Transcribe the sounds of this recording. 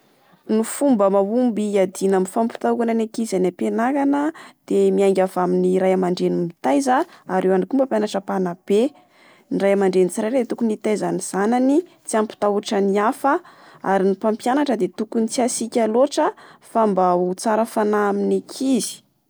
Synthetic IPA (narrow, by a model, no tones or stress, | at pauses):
nufumbəmawumbiad̪inaminfampi̥t̪aukananakizanapenakanəd̪̥emiajŋɡʲavaminiɾajamaɳɖ͡ʐenimit̪ajzəaɾewaɳakumbəpjanaʈ͡ʂəpanab̥e | nirajamaɳɖ͡ʐenit͡siɾajd̪et̪ukunit̪ajzaniz̥anani | t͡siampi̥t̪auaʈ͡ʂəniafəaɾinipampjanaʈ͡ʂəd̪et̪ukunit͡siasikʲaloʈ͡ʂəfambaut͡saɾafanaaminakʰizi̥